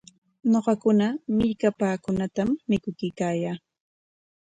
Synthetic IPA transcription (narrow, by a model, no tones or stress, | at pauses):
ɲoɢɑkʊnamɪʎkapaːkʊnat̪amːɪkʊkɪjkaːjaː